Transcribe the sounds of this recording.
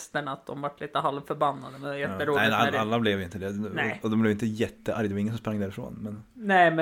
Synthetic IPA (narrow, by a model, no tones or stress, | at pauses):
st̪əɳat̪̚d̪ɔ̰mvaʈːliːt̪əɦalʋfœɾbanːad̪əmɛnjɛt̪ːəɾuːæalːablɛvʋɪnəd̪ɛnɔd̪ɔmblɛʋɪnt̪əjɛt̪ːəʔæɾjd̪ʋɑɾɪŋːəsɔmspɾaŋːd̪æːɾɪfɾo̰ːnmɛnnæmɛ